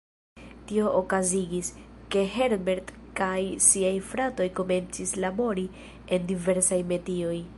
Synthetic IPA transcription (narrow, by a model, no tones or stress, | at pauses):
tio̞ʔokaziɡiske̞ɦe̞ɾbe̞ɾd | kajsiajfɾato̞jko̞me̞nt͡sislabo̞ɾi | e̞ndive̞ɾsajme̞tio̞j